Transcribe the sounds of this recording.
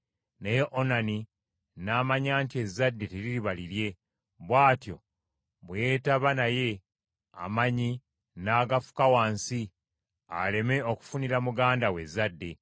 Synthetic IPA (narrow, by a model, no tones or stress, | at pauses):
nejeʔonani | naːmaɲaːntie̞zːadːe̞teɾiɾiβaliɾje̞ | βwaːtjo̞̰ | βwjetaβanaje̞ | a̰maɲi | naːɡafu̥kawaːnsi | a̰le̞me̞o̞ku̥funiɾamuɡaːndawe̞zːadːe̞